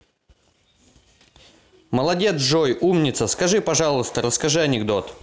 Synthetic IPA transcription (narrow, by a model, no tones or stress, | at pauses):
məlˠɐdʲe̞t̪sʐojumnʲɪt̪səskɐʐɨpɐʐɑlˠəst̪əɾəskɐʐɨɐnʲɪɡd̪ot̪